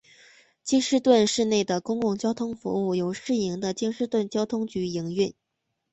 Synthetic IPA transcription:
t͡ɕi˥nʂɻ̩˥˧t̪wə˥˧nʂɻ̩˥˧ne˥˩ɪd̪ə˩kʊ˥ŋkʊ˥˩ŋt͡ɕjɑ˥ʊt̪ʰʊ˥ŋfṵ˧˥u˥˩jo˨˩ʊʂɻ̩˥˩i˧˥ŋd̪ə˧t͡ɕi˥ŋʂɻ̩˥˧t̪wə˥˩nt͡ɕjɑ˥ʊt̪ʰʊ˥ŋt͡ɕy˧˥i˧˥ŋɥy˥˩n

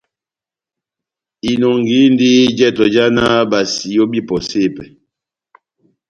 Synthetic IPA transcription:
i˨nɔ˨ŋɡi˨˦n˦di˦d͡ʒɛ˦tɔ˨d͡ʒa˦na˦ba˨si˨jo˦bi˦pɔ˨se˦˨pɛ˨

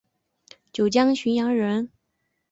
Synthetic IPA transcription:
t͡ɕjo˨˩ʊt͡ɕjɑ˥ŋɕy˧˥njɑ˧˥ŋɻə˧˥n

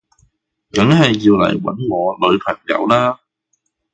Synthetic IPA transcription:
kɐ˨˥ŋhɐ˨˩jːiː˧wlɐ̰˨˩jwɐ̰˨˥nŋɔː˨˧lɵ˨˧ɥpʰɐ˨˩ŋjɐ̰˨˧˥wlaː˥

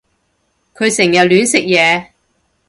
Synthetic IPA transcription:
kʰɵ˨˧ɥsɪ˨˩ŋjɐ˨˩t̚lyː˨˥nsɪ˨k̚jɛː˨˧

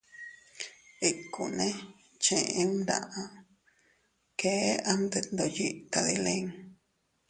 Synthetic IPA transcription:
i˧ku˨nẽ˦ | t͡ʃḛ̃˧ʔẽ˧˦nɾã̰˧ʔã˦ | ke˦a˦nd̪e˧nd̪o˧˨ji˧ʔta˧ði˧lẽ˦ŋ

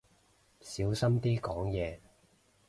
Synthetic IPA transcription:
siː˨˥wsɐ˥mt̪iː˥kɔː˨˥ŋjɛː˨˧

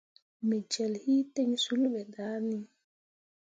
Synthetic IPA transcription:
mɛ˨d͡ʒɛ˨lhiː˦tɛ˦ɲsu˦lɓɛ˨daː˦ni

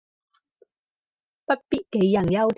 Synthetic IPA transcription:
pɐ˥t̚piː˥t̚ke˨˧˥jːɐ˨˩njɐ˥wt̪ʰ

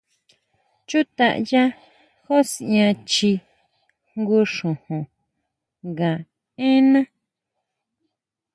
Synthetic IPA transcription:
t͡ʃu˦t̪a̰˧ʔja˦ | xo˦si˨ɲã˧t͡ʃi˧ | ŋɡu˧ʂõ˨hõ˨ | ŋɡã˨ | ẽ˦nã˦

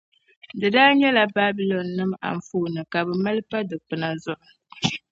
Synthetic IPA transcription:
dɨ˨daː˦ɲɛ˦la˨ba˦bi˨˦lɔ˨nːɨ˦ma̰˨ɱ˨fuː˦nɨ˨ka˨bɨ˨ma˦lɨ˦pa˦dɨ˨k͡pɨ˨na˨zʊ˦˨ʔ

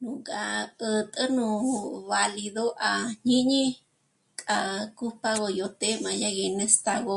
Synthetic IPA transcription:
nũ˨kʼa˧ə˧t̪ʼə˦nũ˧βa˧li˧ðo˦ʔa˧ɲĩ˦ɲĩ˦ | kʼa˧ku˦pa˧ɣo˧jo˧t̪e˦mã˨˧ja˦ɣe˧nẽ˦st̪a˧ɣo˧

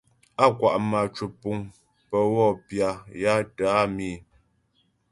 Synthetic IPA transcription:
a˦˨kwa˨ʔma˨t͡ʃu˨pu˨ŋ | pə˨ɣɔ˦˨pja˨ja˦taː˨˦mi˦˨

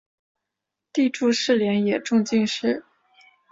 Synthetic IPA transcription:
t̪i˥˧ʈ͡ʂu˥˧ʂɻ̩˥˩ljɛ˧˥njɛ˨˩ʈ͡ʂʊ˥˧ŋt͡ɕi˥˧nʂɻ̩˥˩

